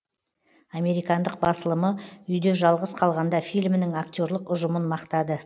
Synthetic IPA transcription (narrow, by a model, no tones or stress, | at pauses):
ame̞ɾijkɑnd̪əq̚bɑsəlˠəməʏjd̪eʒɑlˠʁəsqʰɑlˠʁɑnd̪ɑfijlmɪnɪŋakt̪ʲjo̞ɾlˠəqʊʒəmənmɑqt̪ɑd̪ə